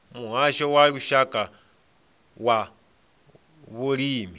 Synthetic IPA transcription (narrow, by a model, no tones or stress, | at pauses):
muɦaʃɔwauʃakʼa | wa | βulimi